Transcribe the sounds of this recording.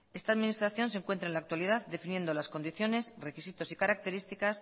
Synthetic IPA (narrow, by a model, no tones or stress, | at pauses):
e̞st̪aðminist̪ɾaθjo̞ns̬eŋkwe̞nt̪ɾaenlak̚t̪waliðaðd̪e̞finje̞nd̪o̞lasko̞nd̪iθjo̞ne̞sre̞kisit̪osikaɾak̚t̪e̞ɾist̪ikas